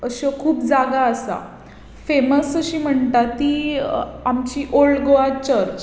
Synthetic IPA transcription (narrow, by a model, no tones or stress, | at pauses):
əɕokʰuːpd͡zaɡaəsa̰ | feməsəɕiːm̤əɳt̪at̪iːamt͡ɕiːʔoɭɡoʋat͡ɕəɾt͡ɕ